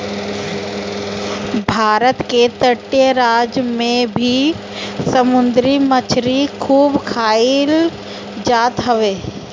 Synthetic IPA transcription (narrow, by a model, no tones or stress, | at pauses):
bʱaːɾət̪ket̪əʈːeɾaːd͡ʒmẽbʱi | səmʊnd̪ɾimət͡ʃʰɾikʰuːbkʰaːil | d͡ʒaːt̪ɦəʋeː